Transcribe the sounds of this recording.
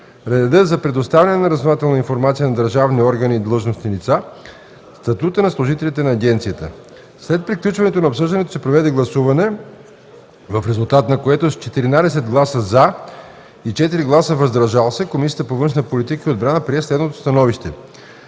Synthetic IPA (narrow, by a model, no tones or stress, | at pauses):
ɾɛd̪əzɐpɾɛd̪ost̪avʲjənɛnɐɾəznovat̪ɛlˠnəinfoɾmat̪sijənɐd̪əɾʒavniɔɾɡəniːd̪lˠɤʒnosnilit̪sa | st̪ɐt̪ut̪ənɐslˠʊʒit̪ɛlit̪ɛnɐːɡɛnt̪sijət̪ə̰ | slɛt̪̚pɾiklʲut͡ʃvɐnɛt̪onɐopsɤʒd̪ɐnɛt̪o̥sɛpɾovɛd̪ɛɡlˠɐsuvɐnɛ | vəfɾɛzulˠt̪at̪nɐkoɛt̪ost͡ʃɛt̪iɾinad̪ɛsɛd̪ɡlˠasəza | it͡ʃɛt̪iɾiɡlˠasəvɐzd̪ɾɐʒalˠəsɛkomisijət̪əpovɤnʃnət̪polit̪ikəiod̪bɾanəpɾiɛslɛd̪not̪o̥st̪ɐnɔviʃt̪ɛ